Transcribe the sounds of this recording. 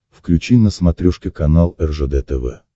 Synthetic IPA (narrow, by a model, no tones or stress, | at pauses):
fklʲʉt͡ɕinəsmɐt̪ɾʲɔʂkʲɪkɐnalˠɛrʐɛd̪ɛt̪ɛvɛ̰